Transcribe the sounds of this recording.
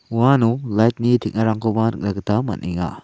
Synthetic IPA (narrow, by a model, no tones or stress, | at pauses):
uwanulajt̚nitʰik̚naɾaŋkobanɯ̰k̚lɐɡɐtamɐ̰nʔiŋa̰